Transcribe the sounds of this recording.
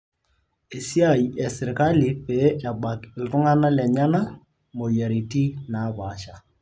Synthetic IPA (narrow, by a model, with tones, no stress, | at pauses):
e˨si˦a˦˨i˨ɛ˨sɪ˨ɾka˦li˨pe˨˦ʔa˨ba˨kɪ˨ltʊ˦ŋa˦na˦lɛ˨ɲa˦na˦ | mo˨ja˨ɾi˨ti˦na˨˦ba˨ʃa˨